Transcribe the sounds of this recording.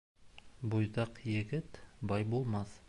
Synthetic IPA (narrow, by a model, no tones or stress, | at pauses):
bojd̪ɑqjɪɡʲɪt̪bɑjbolˠmɑs